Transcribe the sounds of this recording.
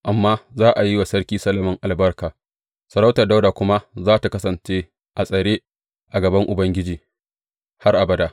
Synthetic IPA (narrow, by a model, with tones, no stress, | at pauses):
ʔa˨mːaː˦zaː˦ʔa˨ji˦wa˨sɐ˦rkʲiː˦sɐ˦lɐ˨mɐ˨ŋʔa˨lbɐ˦rkaː˨ | sɐ˨ɾa˦wtɐ˨rda˦wdaː˨kʷʊ˦ma˦zaː˦ta˨kɐ˦sɐ˨nt͡ʃe˦ | ʔa˨sʼɐ˨ɽeː˦ | ʔa˨ɡɐ˨bɐ˦ŋʔʊ˨bɐ˦ŋɡʲɪ˦d͡ʒiː˨ | ha˦rʔa˨bɐ˦daː˦